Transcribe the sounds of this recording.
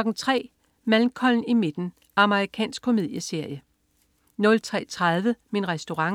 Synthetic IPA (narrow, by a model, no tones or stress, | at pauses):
ɒ̽ɡ̥n̩t͡sʰʁɛ̰ː | mælmkʰɒ̽ln̩ime̝d̥n̩ | ʔɑ̈məʁikʰɛ̰ːnsɡ̥̚kʰo̝mið̞̰ˠjəse̝ɐ̰jə | nɔ̽lt͡sʰʁɛ̰ːt͡sʰʁaðˠʋəminʁɛsd̥o̝ʁɑ̈ŋ